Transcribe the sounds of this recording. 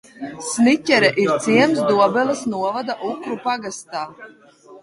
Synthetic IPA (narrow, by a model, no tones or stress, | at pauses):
snicʲɛɾɛʔiɾt̪siɛmsd̪uɔbɛlˠasnuɔvad̪aʔukɾupaɡast̪aː